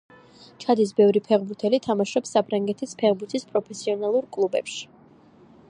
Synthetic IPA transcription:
t͡ʃʰad̪is̬bɛvɾipʰɛʁbuɾt̪ʰɛlit̪ʰamaʃɔpsːapʰɾaŋɡɛt̪ʰispʰɛʁbuɾt̪ʰispʼɾɔpʰɛsiɔnalˠuɾkʼlˠubɛ̰pʃi̥

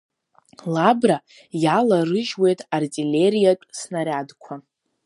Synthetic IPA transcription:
labra | jalarɨʒwe̞jtʼartʼilʲe̞ɾijaʈ͡ʂʼsnaɾʲadkʷʰa

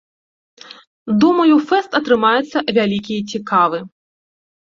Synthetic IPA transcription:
d̪ɔmɐjufɛst̪ɐt̪ɾɨmajut̪sːɐvʲalʲikʲijɐt͡sʲikavɨ

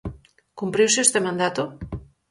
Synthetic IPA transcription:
kumpɾiwseest̪emãnd̪at̪o

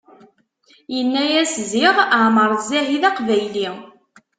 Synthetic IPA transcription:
jənːæjæsziʁəʕməɾˤzæɦiðæqvæjli

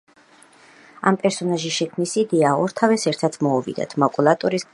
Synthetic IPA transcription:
a̰mpʼɛɾsɔnaʒiʃɛkʰmnisid̪ɛaɔɾt̪ʰavɛsɛɾt̪ʰat̪sʰmɔuvḭd̪a̰t̪ʰmakʼulˠat̪ʼuɾis

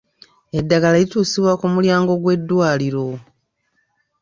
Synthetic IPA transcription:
e̞dːaɡalalituːsiβwakumuljaːŋɡo̞ɡwe̞dːwaːliɾo̞

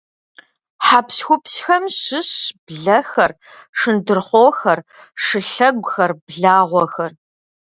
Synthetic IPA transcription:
ħaːpsxʷʊpsxɐmɕɨɕb̥ɮɐxɐr | ʂɨndɨrχʷoːxɐr | ʂɨɬɐɡʷxɐrbɮaːʁʷɔxɐr

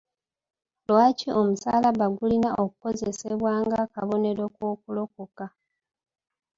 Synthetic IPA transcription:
lwaːcio̞musaːlaβaɡulinaʔo̞kuko̞zeseβwaːŋɡakaβo̞ne̞ɾo̞kwoːkulokuka

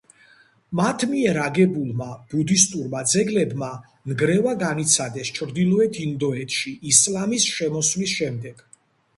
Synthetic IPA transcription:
mat̪ʰmiɛɾaɡɛbulˠmab̥ud̪ist̪ʼuɾmad̪zɛɡlɛbma | nɡɾɛvaɡanit̪sʰad̪ɛst͡ʃʰɾd̪ilˠɔɛt̪ʰind̪ɔɛt̪ʰʃiislamisʃɛmɔslisʃɛmd̪ɛɡ̥

